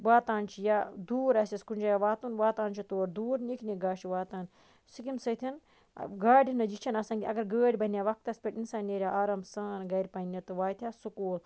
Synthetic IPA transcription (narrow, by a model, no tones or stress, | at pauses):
ʋaːt̪aːnt͡ʃʰijad̪uːɾɐsiskunʲd͡ʒaːjaʋaːt̪unʋaːt̪aːnt͡ʃʰit̪oːɾd̪uːɾnʲikʰnʲiɡaːʃiʋaːt̪aːn | sikimsɐt̪ʰʲin | ɡaːɖʲinɐd͡ʒit͡ʃʰɐnɐsɐ̃ŋɡʲiɐɡɐɾɡəːɖʲbɐnʲjaːʋɐk̚t̪ɐspʲeʈinsaːnʲːeːɾʲjaːʔaːɾɐmsaːnɡɐɾʲpɐnʲːɐt̪ɨʋaːjt̪ʲʰjaːsukoːl